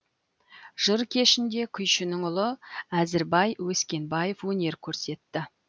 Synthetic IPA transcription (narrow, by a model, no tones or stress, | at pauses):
ʒ̥əɾkʲʰe̞ʃɪnd̪e̞kʲʰʏjʃɪnɪŋʊlˠəæzɪɾbɑjwɵskʲe̞nbɑje̞fwɵne̞ɾkʲʰɵɾse̞t̪ːɪ